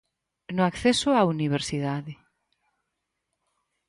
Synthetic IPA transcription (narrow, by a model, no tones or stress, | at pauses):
nʊakθesʊauniβ̞eɾsiðaðɪ